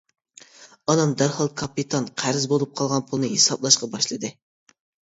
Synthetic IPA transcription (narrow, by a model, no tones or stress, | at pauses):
ɑnɑmd̪æɾhɑlˠkʰɑpit̪ʰɑnqʰæɾɪzbolˠup̚qʰɑlˠʁɑnpʰulˠnɨɦesɑblˠɑʃqɑbɑʃlˠɨd̪ɨ